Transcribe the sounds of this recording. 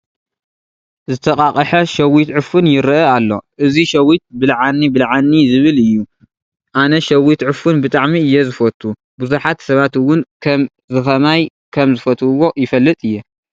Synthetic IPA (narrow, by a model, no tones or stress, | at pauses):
zɨt̪ʰɐkʼakʼɐħɐʃɐwit̪ʕɨfɨnjɪɾɐʔɐalːo̞̰ʔɨziʃɐwit̪̚bɨlʕanːibɨlʕanːizɨβɨlɨjːu | ʔanɐʃɐwit̪ʕɨfunbɨt̪ʼaʕmiɨjːɛzɨfɐt̪ʰːu | buzuħat̪sɐβat̪wʊnkʰɐm | zɨxɐmaj | kʰɐmzɨfɐt̪ʰuwo̞jɪfɐlːɨt̪ʼɨjːɛ